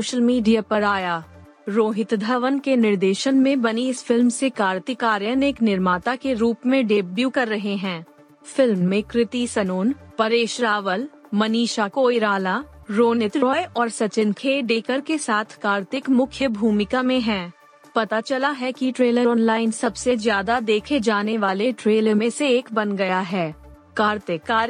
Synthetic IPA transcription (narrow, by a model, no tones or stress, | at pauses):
oːʃəlmiːɖijapɐɾaːjaː | ɾoːɦɪt̪d̪ʱəʋənkenɪɾd̪eːʃənmẽbɐniɪsfɪlmsekaːɾt̪ikaːɾjənɪknɪɾmaːt̪akeɾuːpmẽɖeːbjukɐɾːɐɦeɦɛ̃ː | fɪlmːẽkɾɪt̪isɐnoːnpɐɾeːʃɾaːʋəl | mɐniːʃakoːjɾaːlaɾoːnɪt̪ɾɔːjɔːɾsɐt͡ʃɪnkʰeːɖeːkəɾkesaːt̪ʰkaːɾt̪ɪkmʊkʰjəbʱuːmɪkamẽɦɛ̃ː | pɐt̪at͡ʃɐlaɦɛkiʈɾeːləɾɔːnlaːɪnsɐbsezjaːd̪ad̪eːkʰed͡ʒaːneʋaːleʈɾeːləɾmẽseeːkbɐnɡɐjaɦɛː | kaːɾt̪ɪkːaːɾ